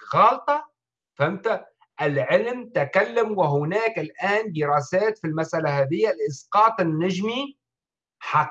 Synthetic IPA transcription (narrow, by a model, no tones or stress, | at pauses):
ɣɑːlt̪ˤɑ | famt̪a | ʔɪlʕɪlmt̪akalːamwɪɦʊnaːkɪlʔaːnd̪ɪɾˤaːsaːt̪filmasʔalaɦaːðɪjːalʔɪsqɑːt̪ˤɪnːaʒmi | ħɑ